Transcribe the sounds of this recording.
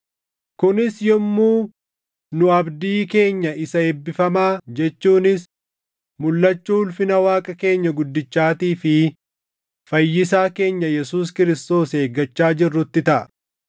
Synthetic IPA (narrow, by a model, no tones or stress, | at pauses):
kʊnɪsjɔmːuː | nʊɐbd̪iːke̞ːɲːɐɪsɐebːɪfɐmaːd͡ʒɛt͡ʃːuːnɪs | mʊlːɐt͡ʃːuːʊlfɪnɐwaːkʼɐke̞ːɲːɐɡʊd̪ːɪt͡ʃːaːt̪iːfɪ | fɐjːɪsaːke̞ːɲːɐjɛsuːskɪɾɪst̪o̞ːse̞ːɡɐt͡ʃːaːd͡ʒɪrːʊt̪ːɪt̪ɐʔɐ